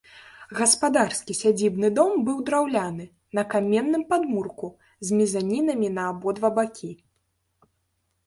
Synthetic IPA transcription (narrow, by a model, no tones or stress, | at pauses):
ɣɐspad̪arskʲisʲad͡zʲibnɨd̪ɔmbɨwd̪ɾawlʲanɨ | nɐkamʲɛnːɨmpad̪murku | zʲmʲizanʲinɐmʲinɐːbɔd̪vabakʲi